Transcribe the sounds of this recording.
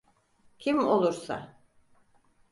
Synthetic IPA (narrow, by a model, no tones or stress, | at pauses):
cʰimolˠuɾsa̰